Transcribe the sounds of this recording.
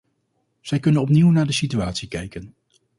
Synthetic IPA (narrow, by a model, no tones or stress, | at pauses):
z̥ɛjkɵnənɔpniwnaːɹdəsityaːtsikɛjkən